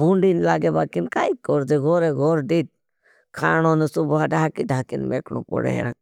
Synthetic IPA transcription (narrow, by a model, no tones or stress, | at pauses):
buɳɖinlaːɡebaːkinkaːikɔɾd̪eɡɔɾeɡʱɔɾɖiːʈ̚ | kʰaːnoːnəsubaɖaːkidʱaːkinmḛːkno̰pɔ̰ɽḛɦɛ̰ɾa̰